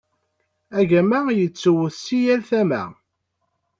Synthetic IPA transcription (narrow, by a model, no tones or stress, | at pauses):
æʝæmæjət͡sːəwəθsijælθæmæ̰